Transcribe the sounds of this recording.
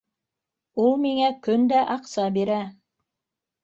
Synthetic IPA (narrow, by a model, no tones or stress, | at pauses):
ulˠmiŋækɵnd̪æʔɑqsɑbiɾæ